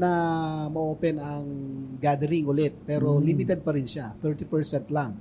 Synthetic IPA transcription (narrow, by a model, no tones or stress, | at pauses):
nɐmɐʔoːpɛnɐŋɡad̪ɛɾɪŋʔʊlɛt̪̚pɛːɾo̞limit̪ɛd̪̚pɐɾɪnʃat̪ɛɹt̪ipɛɹsɛnt̪laŋ